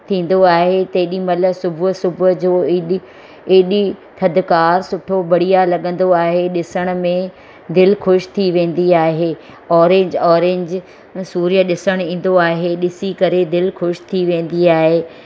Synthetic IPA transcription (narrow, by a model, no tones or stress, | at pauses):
t̪ʰĩːn̆d̪oaːɦet̪ɐɗimɐləsʊbʱʊsʊbʊd͡ʑoːɪɗ | eɗit̪ʰɐd̪kaːɾsʊʈʰobɐɽ̤ijalɐɠə̃n̆d̪oaːɦeɗɪsəɽ̃ʊ̆mẽ | d̪ɪlxʊʃt̪ʰiʋẽːn̆d̪iaːɦeː | ɔːɾẽːɲd͡ʑɔːɾẽːɲd͡ʑ | suːɾjəɗɪsəɽ̃ĩːn̆d̪oaːɦeɗɪsikɐɾed̪ɪlxʊʃt̪ʰiʋẽːn̆d̪iaːɦeː